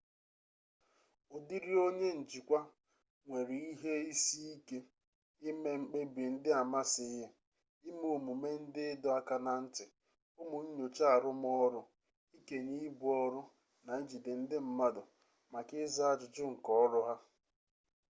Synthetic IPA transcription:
o˨di˦ɾi˦o˦ɲe˦n̩˨d͡ʒi˨kʷa˦ | ŋʷe˨ɾi˨i˦ɦe˦i˦si˦i˦ke˦ | ɪ˦me˦ŋ͡m̩˦k͡pe˦bi˨n̩˦dɪ˦a˨ma˦sɪ˨˦ja˦ | ɪ˦m˦o˨mu˨me˦n̩˦dɪ˦dɔ˦a˦ka˦na˨n̩˦tɪ˨ | ʊ˦mʊ˨ɲ̩˦ɲo˨t͡ʃa˦a˨ɾʊ˦m˦ɔ˦ɾʊ˦ | i˦ke˨ni˦bʊ˨ɔ˦ɾʊ˦ | na˨i˦d͡ʒi˨dɪ˨n̩˦dɪ˦m̩˦ma˦dʊ˨ | ma˨kɪ˦za˦a˦˨d͡ʒʊ˨d͡ʒʊ˦ŋ̩˨kɔ˦ɔ˦ɾʊ˦ɦa˦

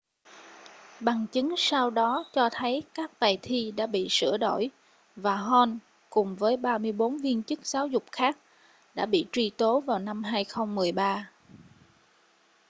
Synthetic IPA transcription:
ɓa˨˩ŋt͡ɕɨ˨˦ŋsa˧wɗɔ˨˦t͡ɕɔ˧t̪ʰə˨˦jkaː˦˥k̚t̪aː˨˩jt̪ʰi˧ɗa̰ː˧˥ɓḭ˧˨sɨ̰˧˩əɗo̰˧˩˨j | vaː˨˩ɦɔ˧n | kʊ˨˩ŋ͡mvəː˨˦jɓaː˧mɨ˧əjɓo˨˦nvi˧ənt͡ɕɨ˦˥k̚z̥aː˨˦wzʊ˨˩k͡p̚xaː˦˥k̚ | ɗa̰ː˧˥ɓḭ˧˨t͡ɕwi˨˩t̪o˨˦vaː˨˩wna˧mɦaː˧jxə˧wŋ͡mmɨ˨˩əjɓaː˧

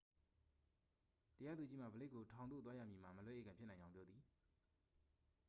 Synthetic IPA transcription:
təja˦d̪u˨t͡ɕi˦m̥a̰˦˨bə˨le˦kːo˨tʰã˨ʊ̃no̰˦˨t̪wa˦ja̰˦˨mji˨m̥a˨mə˨lwɛ˦ʔḛ˦˨ɡã˨mpʰjɪ˦ʔnã˨ɪ̃ɲd͡ʑã˦ʊ̃mpjɔ˦d̪ði˨

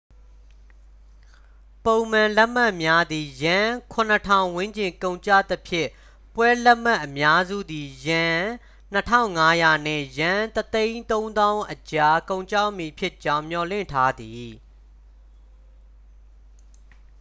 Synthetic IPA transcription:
põ˨ʊ̃mã˨lɛ˦ʔm̥a˦˨ʔmja˦d̪i˨jã˨˦kʰʊ̃˨n̥ə˨tʰã˨ʊ̃wɪ̃˦ɲt͡ɕɪ̃˨ŋkõ˨ʊ̃ɲt͡ɕa̰˦˨t̪əpʰjɪ̃˦˨ | pwɛ˦lɛ˦ʔma˦ʔːəmja˦zṵ˦˨d̪i˨jã˨ | n̥ətʰã̰˦˨ʊ̃ŋa˦ja˨n̥ɪ̰̃˦˨jã˨t̪ət̪ẽ˦ɪ̃nt̪õ˦ʊ̃nd̪ã˦ʊ̃ʔət͡ɕa˨kõ˨ʊ̃ɲt͡ɕa˦˨ʔmi˨pʰjɪ˦˨t͡ɕã˦ʊ̃m̥jɔ˨lɪ̰̃˦˨ntʰa˦d̪i˨

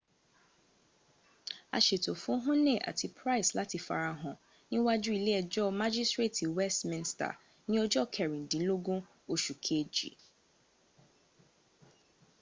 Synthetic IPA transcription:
a̰˨ʃe˨tʰo˨fʊ̃˦ɦʊ̃˦nẽ˦˨ʔa̰˨tʰi˨pʰɾa˦ɪ˨sla˦tʰi˨fa̰˨ɾa˨ɦʊ̃˨ | nɪ̃˦wa˦d͡ʒu˦i˨lɛ˦ɛ˨d͡ʒɔ˦ma˦d͡ʒi˦stɹe˦˨tʰi˨wɛ˦stmɪ̃˦n˦sta̰˨ | nɪ̃˦ɔ˦d͡ʒɔ˦kʰɛ˨ɾĩ˨n˨dĩ˨n̩˦lo˦ɡũ˦ | o˨ʃu˨kʰe˦d͡ʒḭ˨

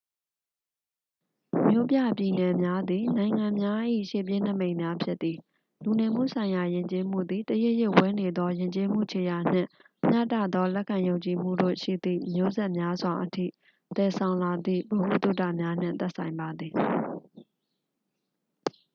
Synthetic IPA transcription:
mjo˦pja˦˨pji˨nɛ˨mja˦d̪i˨nã˨ɪ̃ŋã˨mja˦ʔḭ˦˨ʃḛ˦˨p̬jɪ̃˦˨n̥ə˦˨mẽ˨ɪ̃mja˦pʰjɪ˦t̪t̪ːi˨ | lu˨nɛ˨m̥ṵ˦˨sʰã˨ɪ̃ja˨jɪ̃˨ɲt͡ɕe˦m̥ṵ˦˨d̪i˨t̪əjɪ˦ʔjɪ˦˨ʔwɛ˦ne˨d̪ɔ˦jɪ̃˨ɲt͡ɕe˦m̥ṵ˦˨t͡ɕʰe˨ja˨n̥ɪ̰̃˦˨ | m̥ja̰˦˨tä̰˦˨d̪ɔ˦lɛ˦ʔkʰːã˨jõ˨ʊ̃ɲt͡ɕi˨m̥ṵ˦˨do̰˦˨ʃḭ˦˨d̪ḭ˦˨mjo˦zɛ˦ʔmja˦zwa˨ʔətʰḭ˦˨ | t̪ɛ˨sʰã˨ʊ̃la˨d̪ðḭ˦˨bo˨hṵ˦˨t̪ṵ˦˨ta̰˦˨mja˦n̥ɪ̰̃˦˨t̪ɛ˦ʔsʰã˨ɪ̃mba˨d̪ði˨

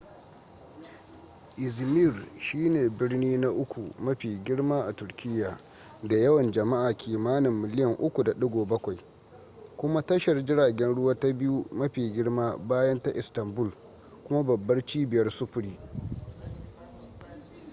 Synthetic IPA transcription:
ʔɪ˨zmi˦˨rʃiː˦neː˨bɪ˦rniː˦na˦ʔʊ˦kʷu˨mɐ˦ɸiː˨ɡʲɪ˦ɽmaː˦ʔa˨tʊ˨rkʲʰɪ˦jːaː˨ | da˨jɐ˦wɐ˨nd͡ʒɐ˨ma˦ʔaː˨kʲʰiː˨maː˦nɪ˨mːɪ˨lɪ˦jɐ˨ŋʔʊ˦kʷu˨da˨ɗʊ˦ɡʷoː˨bɐ˦kʷa˨j | kʷʊ˦ma˦tɐ˦ʃɐ˨rd͡ʒɪ˦ɽaː˨ɡʲɛ˦nɽʊ˦waː˦ta˦bɪ˦ju˦mɐ˦ɸiː˨ɡʲɪ˦ɽmaː˦baː˦jɐ˦nta˦ʔɪ˨stɐ˨mbʊ˦˨l | kʷʊ˦ma˦bɐ˨bːɐ˦rt͡ʃiː˦bɪ˨jɐ˦rsʊ˦ɸʊ˨˦ɽiː˦

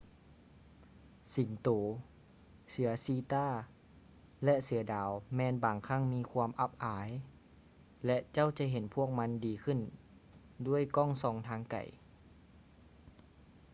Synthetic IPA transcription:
si˨˩˦ŋt̪oː˨˩˦ | sɯ˩˦ɐsiː˧t̪aː˧˥˩ | lɛ˧˥ʔsɯ˨˩˦ɐdaː˨˦wmɛː˧nbaː˨˩ŋkʰa˧˥˩ŋmiː˧˥˨kʰwuː˧mʔa˧˥p̚ʔaː˨˦j | lɛ˧ʔt͡ɕa˥˩˨wt͡ɕa˧˥ɦe˨˦npʰu˥˩ək̚ma˧˥ndiː˨˦kʰɯ˧˥˨n | du˥˩əjkɔː˥˩˨ŋsɔː˧˩ŋt̪ʰaː˧˥ŋka̰˨˩j

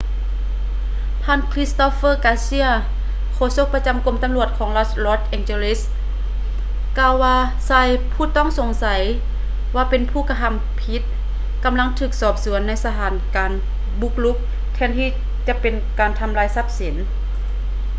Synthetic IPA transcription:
p̪ʰaː˧˥˨nkʰli˦˥st̪ɔ˧˦˥fɤː˥˩kaː˧˥si˧˥˨ə | kʰoː˧˨so˧˥k̚pa˧t͡ɕa˨˦mko˧˦mt̪a˨mlu˧˩ət̪̚kʰɔː˨˦ŋla˧˥t̪lɔː˧˥˩t̪̚ʔɛ˧ŋt͡ɕe˧li˦˧˥s | kaː˧˨wːaː˧ | saː˧˩jpʰuː˧˥˩t̪ɔː˥˨ŋso˨˦ŋsa˨˩˦j | waː˧pe˨npʰuː˧˥˩ka˧tʰa˧˥˨m | pʰi˦˥t̪̚ | ka˨mla˧˥˨ŋt̪ʰɯː˧˩k̚sɔː˧˩p̚su˩˦ənːa˧˥jsa˧t̪ʰaː˨˩˦nkaː˨n | bu˧˥k̚lu˦˥k̚ | t̪ʰɛː˧˩˨nt̪ʰiː˧˩ | t͡ɕa˧˦pe˨nkaː˨nt̪ʰa˨˧˨mlaː˧˥jsa˧˥p̚si˨˩˦n

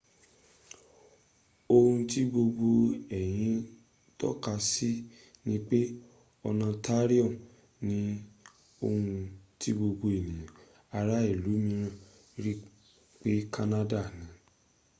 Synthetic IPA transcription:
o˧hũ˧ti˦ɡ͡bo˧ɡ͡bo˧ɛ˨j̃ĩ˧˦ | tɔ̰˦ka˧si˦ | nĩ˦k͡pe˦ | ɔ˧nã˧ta˦ɾi˦ɔ˦˨ | nĩ˨˦ | o˧hũ˧ti˦ɡ͡bo˧bo˧e˨nĩ˨ã˨ | a˧ɾa˦i˦˨lu˨˦mĩ˧ɾ̃ã˧ | ɾi˦ | k͡pe˦ka˦na˦da˦˨nĩ˨˦

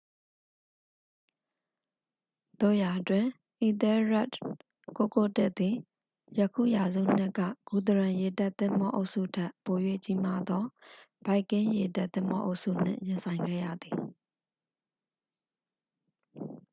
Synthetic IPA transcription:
d̪o̰˦˨ja˨ʔtwɪ̃˨ | ʔi˨t̪ɛ˦ɹa˦˨t | ko˦˨ko˦˨tɪ˦ʔt̪i˨ | jə˨kʰṵ˦˨ja˨zṵ˦˨n̥ɪ̰˦kä̰˦˨ɡ̥u˨d̪əɹã˨je˨ta˦˨t̪ɪ̰̃˦˨m̥bɔ̰˦ʔo˦ʊʔsṵ˦˨tʰɛ˦ʔpo˨jwḛ˦˨t͡ɕi˦ma˦d̪ɔ˦ | b̥a˦ɪkːɪ̃˦je˨ta˦ʔt̪ɪ̰̃˦˨mbɔ̰˦ʔo̰˦ʊʔsṵ˦˨n̥ɪ̰̃˦˨jɪ̃˨nsʰã˨ɪ̃ŋɡɛ̰˦˨jä̰˦˨d̪i˨

